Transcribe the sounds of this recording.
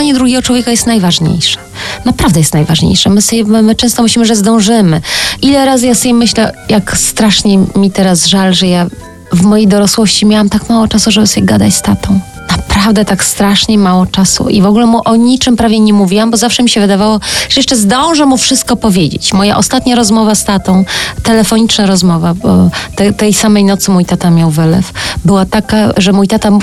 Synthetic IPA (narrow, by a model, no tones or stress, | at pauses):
aɲɛd̪ɾuɡʲɛɡɔt͡ʂwɔvʲekajɛst̪najvaʐɲḛjʂɛ̥ | napɾavd̪ɛjɛst̪najvaʐɲḛjʂɛmɘsɔbʲɛmɘt͡ʂɛ̃w̃st̪ɔmɨɕlʲimɘʐɛzd̪ɔ̃w̃ʐɘmɘʔilɛɾazɨjasɔbʲjɛmɘɕlɛjakst̪ɾaʂɲɛmʲit̪ɛɾazʐalʐɛja | vmɔjejd̪ɔɾɔswɔɕt͡ɕimʲjawamt̪akmawɔt͡ʂasuʐɛbɘsɔbʲjɛɡad̪at͡ɕst̪at̪ɔ̃w̃ | napɾavd̪ɛt̪akst̪ɾaʂɲɛmawɔt͡ʂasṵʔivɔɡulɛmuʔɔɲit͡ʂɘmpɾavʲjɛɲɛmuvʲiwambɔzafʂɛmʲiɕɛvɘd̪avawɔʐ̥ɛjɛʂt͡ʂɛzd̪ɔ̃w̃ʐɛmufʂɘst̪̚kɔpɔvʲjed͡ʑḛt͡ɕmɔja̰ʔɔst̪at̪ɲaɾɔzmɔvast̪at̪ɔ̃w̃t̪ɛlɛfɔɲit͡ʂnaɾɔzmɔvabɔt̪ɛt̪ɛjsamɛjnɔt̪sɘmujt̪at̪amʲjawvɘlɛ̰fbɘwat̪akaʐɛmujt̪at̪a